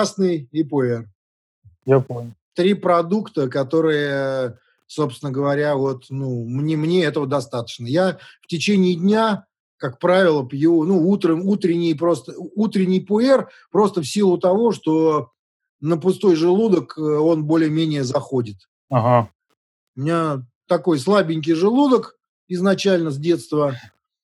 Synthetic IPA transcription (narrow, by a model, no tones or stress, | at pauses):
snɨjɪpʊɛr | japomʲʊt̪ɾʲipɾɐd̪ukt̪əkɐt̪o̞ɾɨjə | so̞psʲɪnəɡəvɐɾʲavo̞t̪numnʲemnʲeɛt̪əvəd̪ɐst̪at̪ə̥t͡ɕnəjaftʲɪt͡ɕenʲɪːdʲnʲa | kak̚pɾavʲɪlˠəpjɪnuut̪ɾəmut̪ɾʲɪnʲɪjpɾo̞st̪əut̪ɾʲɪnʲɪjpʊɛr | pɾo̞st̪əfsʲilˠʊt̪ɐvo̞ʂt̪o̞ | nəpʊst̪o̞jʐɨlˠud̪əko̞nbo̞lʲɪjəmʲenʲɪjəzɐxo̞dʲɪt̪ | aɦa | ʊmʲɪnʲat̪ɐko̞jslˠabʲɪnʲk̬ʲɪjʐɨlˠud̪ək | ɪznɐt͡ɕælʲnəzʲdʲe̞t̪st̪və